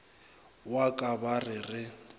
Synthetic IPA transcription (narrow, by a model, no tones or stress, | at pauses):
wakʼabarɪrɪ